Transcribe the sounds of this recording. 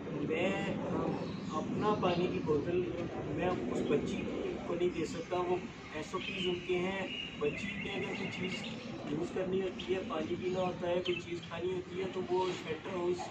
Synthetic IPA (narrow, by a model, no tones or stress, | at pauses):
mɛ̃ː | ɐpnapaːnekiboːd̪əlmɛ̃ʊsbɐtːʃikkonɐɦĩd̪eːsɐk̚t̪ãʋo | ɛːsot͡ʃiːzɦoːt̪eɦɛ̃bɐtːʃikẽɡɐkoit͡ʃiːz | juːzkɐɾnioːt̪iɦɛaːd͡ʒebʱinɐaːt̪aɦɛkoit͡ʃiːzkʰaːniɦoːt̪iɦɛt̪oʋoɪsbɛːʈəɾɦoɪs